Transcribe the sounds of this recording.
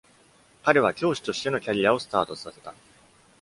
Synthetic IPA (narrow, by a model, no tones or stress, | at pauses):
kaɾe̞β̞akʲo̞ːɕi̥t̪o̞ɕi̥t̪e̞no̞kʲaɾʲijao̞sɨ̥t̪aːt̪o̞sase̞̥t̪a